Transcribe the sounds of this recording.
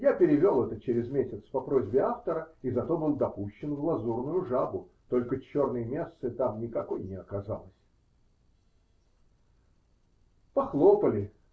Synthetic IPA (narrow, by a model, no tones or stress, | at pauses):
japʲɪɾʲɪvʲo̞lˠɛt̪ət͡ɕeɾʲɪzmʲesʲɪt̪spɐpɾo̞zʲbʲɪaft̪əɾəizɐt̪o̞bɨlˠd̪ɐpuɕːɪnvlˠɐzurnʊjʊʐabʊ | t̪o̞lʲkət͡ɕo̞rnəjəmʲest̪sɨt̪amnʲɪkɐko̞jnʲɪɐkɐza̰lˠəsʲ | pɐxlˠopəlʲɪ